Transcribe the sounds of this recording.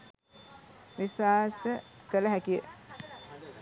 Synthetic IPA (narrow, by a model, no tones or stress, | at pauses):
ʋiswaːsəkələɦækijə̰